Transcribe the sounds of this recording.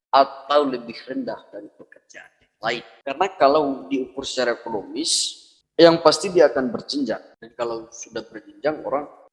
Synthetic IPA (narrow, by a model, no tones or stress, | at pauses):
ʔat̪awləbɪhrəndahdaɾipəkərd͡ʒanalaɪnkarənakalawdiukʊrsə̥t͡ʃaɾaekonomɪs | jaŋpast̪idiaːkanbərd͡ʒəɲd͡ʒa̰ŋdankalawsudahbərd͡ʒəɲd͡ʒaŋo̰ɾaŋ